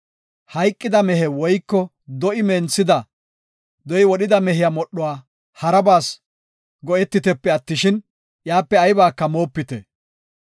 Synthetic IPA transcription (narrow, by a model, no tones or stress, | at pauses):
hɐjkʼːɪd̪ɐmɛɦɛwɔjkːɔ | d̪ɔʔɪmɛnsɪd̪ɐ | d̪ɔɪwɔɗɪd̪ɐmɛɦɪjamɔɗːɔwaː | hɐɾɐbaːs | ɡɔʔɛt̪ːɪt̪ɛpːɛɐt̪ːɪʃɪn | jaːpːɛɐjbaːkːɐmo̞ːpːɪt̪ɛ̰